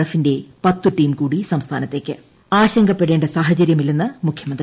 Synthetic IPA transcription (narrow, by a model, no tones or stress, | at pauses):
ɽɐfinde̞pɐt̪ːuʈːiːmkuːɽisɐmst̪ʰaːnɐt̪ːeːkːɨ | aːɕɐŋɡɐpːeɽe̞ːɳɖɐsaːɦɐt͡ɕɐɾjɐmilninːɨmukʰjɐmɐnd̪rɾ